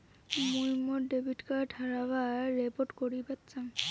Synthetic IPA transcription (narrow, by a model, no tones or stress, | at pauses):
mojmɔdebʱitkaɹʈʰaɹabaɹɛpɔʈkoɹibatzam